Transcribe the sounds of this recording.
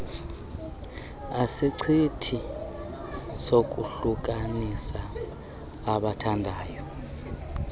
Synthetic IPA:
asiǀʰitʰi | sok̬ʼuɬuk̬ʼanisaː | ɓatʰandʱaːjɔ

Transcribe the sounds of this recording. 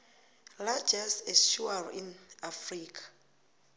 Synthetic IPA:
lad͡ʒɛsɛʃuaɹĩnafɹikʰḁ

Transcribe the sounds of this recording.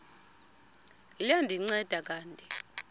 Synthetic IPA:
jandʱiŋ͡ǀɛd̥ʱak̬ʼaːntʼɛ

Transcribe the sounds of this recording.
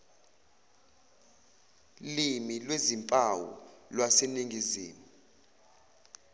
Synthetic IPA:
limilwezimpʼawɔ̰lwaseniŋʱiziːmu

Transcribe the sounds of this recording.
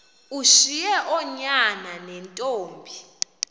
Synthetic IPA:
uʃijɛʔɔɲananɛntʼoːmbʱi

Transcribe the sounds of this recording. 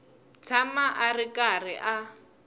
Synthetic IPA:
t͡sʰamaʔarɪkʼarɪʔa

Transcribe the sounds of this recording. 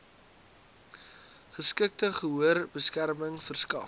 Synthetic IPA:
χəskək̚təχəɦuərbəskærməŋfərskɐ̰

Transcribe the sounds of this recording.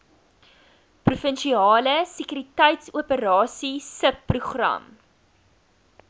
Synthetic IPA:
prufənʃiɑːləsəkyɾitɛjtsuəpəɾɑːsisəpːruχrɐ̰m

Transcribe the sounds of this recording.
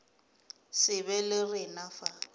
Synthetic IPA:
sɪβɛlɪrɪnafa

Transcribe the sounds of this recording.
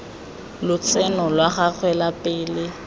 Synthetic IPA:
lʊt͡sʰʼɛnɔlwaχak͡xʰwɛlapʼɪːlɪ

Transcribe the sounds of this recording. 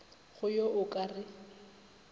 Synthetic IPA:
χʊjoʔʊkʼarɪ

